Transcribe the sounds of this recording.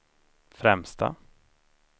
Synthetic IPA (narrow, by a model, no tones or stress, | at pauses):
fɾɛmst̪a̰